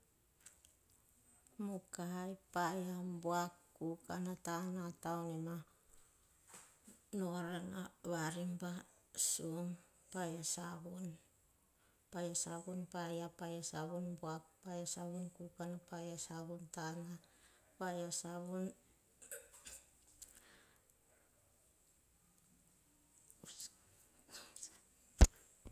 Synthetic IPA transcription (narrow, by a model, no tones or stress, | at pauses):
mukaɦajpajambuakːukanatanatawnima | noɾanaβaɾimba | suŋ | pajasaβun | pajasaβunpajapajasaβunbuappːajasaβunkukanapajasaβuntana | pajasaβun